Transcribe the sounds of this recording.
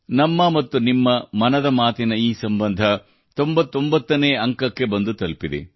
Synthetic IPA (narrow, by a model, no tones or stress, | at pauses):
nɐmːɐmɐt̪ːunimːɐmɐnɐd̪ɐmaːt̪inɐiːsɐmbɐnd̪ʱɐ | t̪ombɐt̪ːombɐt̪ːɐneːɐŋkɐkːe̞bɐnd̪ut̪ɐlpid̪ḛ